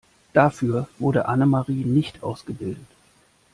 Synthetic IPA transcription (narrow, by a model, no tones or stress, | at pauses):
d̥afyːɐvʊɐɾəʔanəmaʁiːnɪçtʔa̰ʊsɡ̥əbɪldət